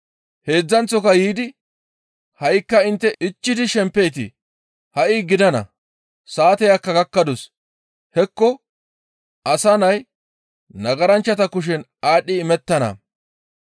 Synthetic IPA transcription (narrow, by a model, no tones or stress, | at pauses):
he̞ːd͡zːɐnt͡sːɔkɐjiːd̪ɪ | hɐjkːɐɪnt̪ːɛɪt͡ʃːɪd̪ɪʃɛmpːe̞jːt̪̬ɪ̰ | hɐʔɪɡɪd̪ɐnɐ̰ | saːt̪ɛjɐkːɐɡɐkːɐd̪ɔs | hɛkːɔ | ʔɐsɐnɐj | nɐɡɐɾɐnt͡ʃːɐt̪ɐkʊʃ̬ɛn | aːɗːɪːmɛt̪ːɐnɐ̰